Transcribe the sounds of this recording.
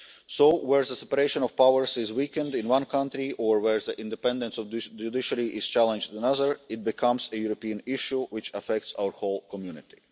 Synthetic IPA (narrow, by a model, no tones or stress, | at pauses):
soʊwɛɹðəsɛpəɾeʃə̃nɔv̥pawəɹsɪzwikə̃ndɪ̃nwʌ̃nkʰʌ̃ntɾiʔɔɹwɛɹðəʔɪ̃ndɛpɛ̃ndə̃nsɔvd͡ʒudɪʃəɾiʔɪz̥t͡ʃælˠə̃nd͡ʒə̃nʌðə˞ɪt̚bɪkʰʌ̃msəjuɾopiə̃nɪʃuwɪt͡ʃəfɛk̚tsa̰wəɹholˠkʰɔmjunɪt̪i̥